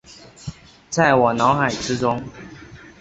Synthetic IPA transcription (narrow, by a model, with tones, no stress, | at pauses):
t͡sa˥˨ɪwɔ˨˩nɑ˨˦ʊxa˨˩ɪʈ͡ʂɻ̩˦ʈ͡ʂʊ˦ŋ